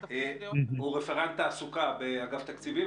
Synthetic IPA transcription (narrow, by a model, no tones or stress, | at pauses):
huʁefeʁant̪aːsukabeaɡaft̪akt͡sivi